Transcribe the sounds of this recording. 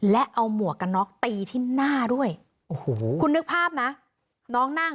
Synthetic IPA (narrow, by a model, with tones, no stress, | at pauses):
lɛ˦˥ʔa˧wmu˨˩əka˧nɔː˦˥k̚t̪iː˧t̪ʰiː˥˩naː˥˩du˥˩əj | ʔo˨hoː˩˦kʰu˧nːɯ˦˥k̚pʰaː˥˩p̚na˦˥ | nɔː˦˥ŋna˥˩ŋ